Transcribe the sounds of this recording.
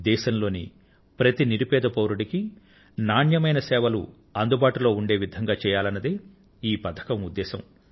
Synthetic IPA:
d̪ɛːʃɐmlo̞ːnḭ | pɾɐt̪iniɾipɛːd̪ɐpɐwɾuɽiki | naːɳjɐmɐjnɐsɛːʋɐlṵ | ɐnd̪ubaːʈulo̞ːuɳɖe̞ːʋid̪ʱɐŋɡaːt͡ʃɛːjaːlɐnːɐd̪eː | iːpɐt̪ʰɐ̥kɐmud̪ːɛːsɐm

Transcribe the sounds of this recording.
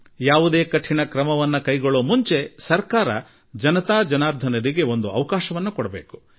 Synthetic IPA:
jaːʋud̪e̞ːkɐʈʰːinɐkɾɐmɐʋɐnːɐkɐjɡoɭoːmuɲt͡ʃe̞sɐɾkaːɾɐ̰ | d͡ʒɐnɐt̪aːd͡ʒɐnaːɾd̪ʱɐnɐɾiɡe̞o̞nd̪uɐʋɐkaːʃɐʋɐnːukɔɽɐbeːku̥

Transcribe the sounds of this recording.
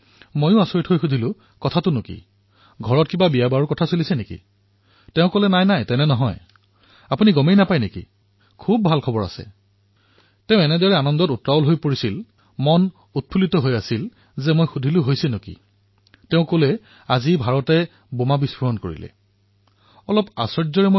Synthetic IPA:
mojʊ̃asoɹitʰɦojxudʱilʊ | kɔtʰatʊnʊkḭ | ɡʱɔɹɔt̚kibabijabaɹukɔtʰasulisɛnekḭ | tɛʊ̃kolɛnajnajtɛnɛnɔɦɔj | apuniɡɔmejnapajnekḭ | kʰub̚bʱalkʰɔbɔɹa̰sɛ̰ | tɛʊ̃ɛnɛdɔɹɛanɔndɔtutɹaɔlɦojpoɹisil | mɔn | ut̚pʰulitɔɦojasil | zɛmojxudʱilʊɦojsɛnʊkḭ | tɛʊ̃kolɛ | azibʱaɹɔtɛ | bomabisbɔɦɔnkoɹḭlɛ̰ | ɔlɔpa̰sɔɹzɔɹɛmo

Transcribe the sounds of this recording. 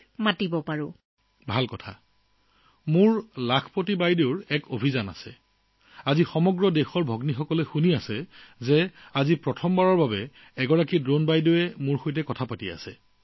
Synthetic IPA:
matibɔpaɹʊ | bʱalkɔtʰa̰ | mʊɹlakʰpotibajdeʊɹɛkobʱizana̰sɛ̰ | azixɔmɔɡɹɔdexɔɹbʱɔɡnixɔkɔlɛxuniasɛzɛazipɹɔtʰɔmbaɹɔɹbabɛː | ɡɔɹakidonbajdeɛmuɹxojtɛkɔtʰapatia̰sɛ̰

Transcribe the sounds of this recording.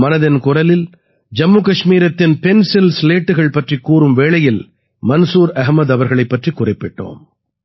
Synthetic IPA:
mɐnɐðɐnkʊrɐlɪl | d͡ʒɐmːuːkɐʂmiːɾɐt̪ːɪnpɛnsɪlsleːʈːɯɣɐɭpɐʈrikːuːrɯmʋeːɭɐjɪl | mɐnsuːɾɐɣmɐðɐʋɐɾɣɐɭɐɪpːɐʈrikːʊrɐɪpːɪʈːo̰ːm

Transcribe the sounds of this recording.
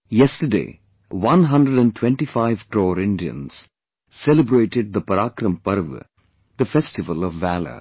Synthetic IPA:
jɛsʈəɖḛː | ʋʌ̃nɦʌ̃ɳɖɾəɖæ̃ɳʈʰwɛ̃ɳʈifaɪʋʈɾɔːɾɪ̃nɖiə̰̃nz̥ | sɛlɪbɾeːʈɪɖ̚d̪əpɐɾaːkɾə̃mpʌɾʋ̰ | d̪̥əfɛsʈɪʋəlɔʋːælə̰

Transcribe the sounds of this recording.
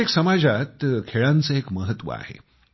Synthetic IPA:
eksəmad͡zat̪kʰeɭãnt͡səekməɦət̪ːʋə̰a̰hḛ

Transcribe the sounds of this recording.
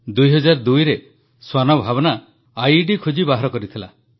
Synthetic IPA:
d̪ujɦɔd͡ʒaɾd̪ujɾe | swanɔbʱabɔnaː | jɖikʰud͡ʒibaɦɔɾɔkɔɾit̪ʰila̰

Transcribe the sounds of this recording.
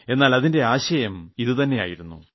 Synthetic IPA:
e̞nːaːlɐðinde̞aːɕɐjɐmiðɨt̪ɐnːe̞ja̰ːjiɾunːṵ

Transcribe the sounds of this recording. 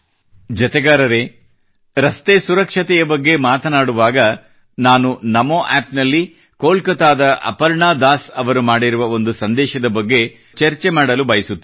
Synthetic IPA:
d͡ʒɐt̪ɛɡaːɾɐɾe | ɾɐst̪esuɾɐkʂɐt̪ɛjɐbɐɡːe̞maːt̪ɐnaːɽuʋaːɡɐ | naːnunɐmoʔaːpnɐlːi | koːlkɐt̪aːd̪ɐʔɐ̰pɐɾɳaːd̪aːsɐʋɐɾumaːɽiɾuʋɐo̞nd̪usɐnd̪ɛːʃɐd̪ɐbɐɡːe̞ | t͡ʃɐɾt͡ʃe̞maːɽɐlubɐjɐsut̪ːi

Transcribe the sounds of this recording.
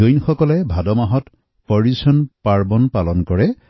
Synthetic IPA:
ojnxɔkɔlɛbʱadɔmaɦɔt | pɔɹisɔnpaɹbɔnpalɔnkɔɹɛ

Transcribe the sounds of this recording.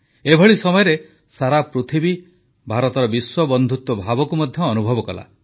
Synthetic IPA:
ebʱɔɭisɔmɔjɔɾe | saɾapɾut̪ʰibi | bʱaɾɔt̪ɔɾɔbiswɔbɔnd̪ʱut̪wɔbʱabɔkumɔd̪ʱjɔːnubʱɔbɔkɔla̰

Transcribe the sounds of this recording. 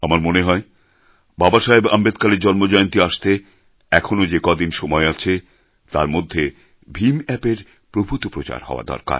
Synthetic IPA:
amaɾmoneɦɔe | babaʃaɦebambed̪kaleɾd͡ʑɔnmod͡ʑɔjont̪iaʃt̪e | ɛkʰonod͡ʑekɔd̪inʃɔmɔeat͡ɕʰe | t̪aɾmod̪ʱːe | bʱimɛpeɾ | pɾobʱut̪opɾot͡ɕa̰ɾɦɔ̰oa̰d̪ɔ̰ɾka̰ɾ

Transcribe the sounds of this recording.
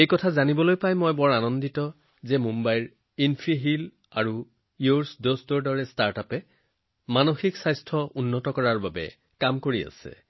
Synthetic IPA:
ejkɔtʰazanibɔlojpajmɔjbɔɹanɔnditɔ | zɛmumbajɹ | inpʰiɦil | aɹu | iuɹsdosdɔɹdɔɹɛstaɹtapɛ | manoxiksajstʰɔʔunːɔtɔkɔɹaɹbabɛ̰ | kamkoɹia̰sɛ̰

